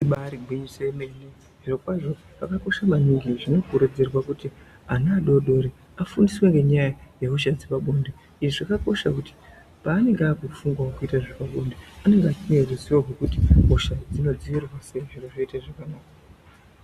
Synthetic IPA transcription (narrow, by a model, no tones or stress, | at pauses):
iɓaɾiɡʱwiɲiseimene | ʐirokwaʐo̞ | pakako̞ʃamaniŋɡiʐino̞kuɾed͡ze̞rwakuti | anaːɗo̞ɗo̞ɾi | afundisweŋɡe̞ɲajajekuʃazipaɓonde | iʐiʐakako̞ʃa̰kuti̥ | paːne̞ŋɡeaːkufuŋɡwawokuitaʐepaɓo̞ndeane̞ŋɡeat͡ʃiɲereziwaɡekutioʃad͡zino̞d͡ziʋirwaseʐiroʐoitaʐakanaːka